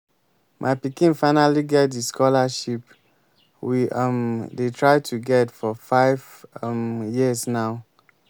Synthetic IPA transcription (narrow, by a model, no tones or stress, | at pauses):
mʔaɪpikĩnfaɪnaliɡɛt̚diskʰɔlaʃip | wiʌmdetʰɹaɪtʰuɡɛtfɔfaɪv | mjisnaʊ